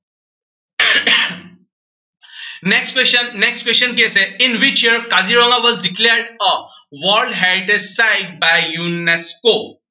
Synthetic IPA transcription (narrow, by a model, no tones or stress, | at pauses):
nekspeʃənneksʈpeʃə̃nk̬eseĩnʋit͡ʃjiəɾkaziɾɔ̃ŋɡaʋɔzɖikleɾɖəʋɔɾɖɦɛɾiʈesaɪɖ̚bajjunesko